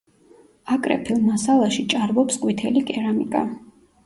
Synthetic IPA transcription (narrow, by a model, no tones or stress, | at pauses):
akʼɾɛ̰pʰilˠmasalˠaʃit͡ʃʼaɾbɔpskʼwit̪ʰɛlikʼɛɾamikʼa̰